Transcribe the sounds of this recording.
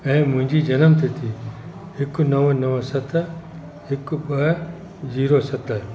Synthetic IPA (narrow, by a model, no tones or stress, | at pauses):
ɛ̃ːmʊ̃ɦɪ̃ɲd͡ʑid͡ʒɐnəmt̪ʰit̪ʰi | ɪkʊnɐʋnɐʋəsɐt̪ | ɪkʊɓɐɦ | ziːɾosɐt̪ʰə